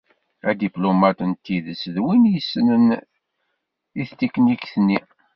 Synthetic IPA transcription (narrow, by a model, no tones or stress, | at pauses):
æd̪iplomæt̪ənt̪ːiðəsðwinjsːənən | iθt̪ːikːənikθnːi